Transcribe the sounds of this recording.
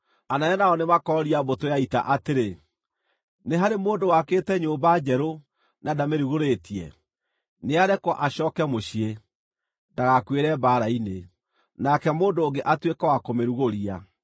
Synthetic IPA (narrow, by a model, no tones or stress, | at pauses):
anajɛnaɔnemakɔɾiabotojaita̰ʔateɾe | neɦaɾemoːndowakeːtɛɲoːmbad͡ʑɛɾo | nʔadameɾuɣoɾetiɛ̰ | neaɾɛkwɔʔaɕɔːkɛmoɕie | daɣakweɾɛbaːɾaine | nakɛmoːndoːŋɡeʔatwekawakomeɾuɣoɾia